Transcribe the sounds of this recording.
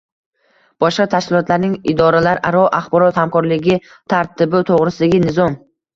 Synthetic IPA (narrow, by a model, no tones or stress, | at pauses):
b̥ɒʃqat̪ʰaʃkʲɪlˠɒt̪laɾnɪŋɪd̪ɒɾalaɾʔaɾɒʔaχbɒɾɒt̪hamkɒɾlɪɡʲɪ | t̪ʰaɾt̪ʰɪbɪt̪ʰoʁɾɪsɪd̪aɡʲɪnɪzɒm